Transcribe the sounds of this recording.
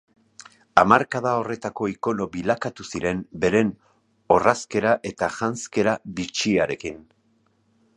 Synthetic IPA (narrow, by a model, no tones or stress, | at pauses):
amaɾkaðao̞re̞t̪ako̞iko̞no̞βilakat̪usiɾe̞mbe̞ɾe̞n | o̞raske̞ɾaʔe̞t̪aʝanske̞ɾaβit͡ʃiaɾe̞kin